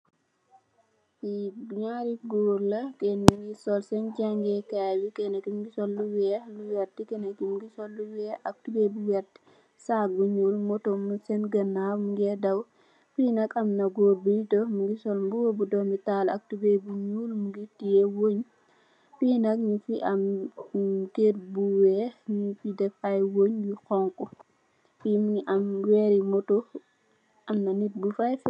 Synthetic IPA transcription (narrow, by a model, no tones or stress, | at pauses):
ibiɲaɾiɡoɾlakɛniŋɡisɔlsɛnd͡ʒaŋɡɛkawikɛnakimɡisɔlːuwɛluwɛɾtːikɛnakimɡisɔlːuwɛʔak̚tubebuwɛdi̥ | saɡuɲulmɔtɔmusɛnɡanːamuɡɛdaw | pinakamnaɡobitɔmuɡisɔlmbuwobudɔmitala̰k̚tubebuɲuːlmuɡitijɛwoɲ | piːnak̚mifiʔam | ket̚buwɛɲifidɛfajwoɲbixɔŋkɔ | fimamwɛɾimɔto | ʔamnanit̚bufajf